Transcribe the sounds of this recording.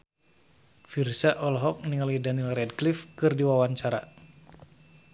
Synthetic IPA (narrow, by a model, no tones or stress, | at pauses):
firsaʔɔlɦɔk̚niŋalidanilrɛdklifkɨrdiwawaɲt͡ʃaɾa